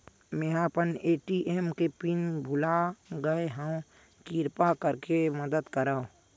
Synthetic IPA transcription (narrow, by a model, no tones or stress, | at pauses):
meːɦapəneːʈiʔeːmkepinbʱʊlaɡəeɦəõ | kiːɾpakəɾkeməd̪əd̪kəɾaːõ